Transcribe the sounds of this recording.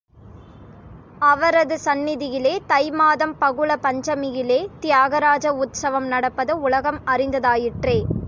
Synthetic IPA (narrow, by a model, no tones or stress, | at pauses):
ɐʋɐɾɐðɯsɐnːɪðɪjɪleːt̪ɐɪmaːðɐmpɐɣɯɭɐpɐɲd͡ʒɐmɪjɪleːt̪ɪjaːɣɐɾaːd͡ʒɐʊt̪sɐʋɐmnɐɽɐpːɐðɐʊlɐɣɐmɐrɪnd̪ɐðaːjɪʈreː